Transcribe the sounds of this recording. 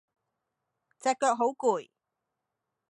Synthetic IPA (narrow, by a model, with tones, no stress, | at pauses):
t͡sɛː˨˧kːœː˧k̚ɦo˨˥wkuː˨˩j